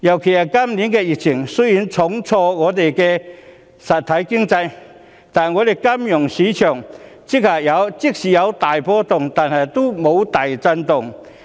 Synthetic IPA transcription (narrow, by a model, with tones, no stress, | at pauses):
jɐ˨˩wkʰe˨˩jhɐ˨kɐ˥mni˨˧˥nkɛ˧jɪ˨˩k̚t͡sʰɪ˨˩ŋsɵ˥ji˨˧˥nt͡sʰʊ˨˥ŋt͡sʰɔː˧ŋɔː˨˧t̪e˨jkɛː˧ | sɐ˨t̪̚ʰːɐ˨˥jkɪ˥ŋt͡sɐ˧j | t̪aː˨nɐ˨˩ŋɔː˨˧t̪e˨˩jkɐ˥mjʊ˨˩ŋsiː˨˥t͡ʃʰœː˨˩ŋt͡sɪ˥k̚haː˨˩k̚jɐ˨˧wt͡sɪ˥k̚siː˨jɐ˨˧wt̪aː˨˩jpɔː˧t̪ʊ˨ŋt̪aː˨˩nhɐ˨jt̪o˥wmo˨˧wt̪aː˨˩jt͡sɐ˧nt̪ʊ˨ŋ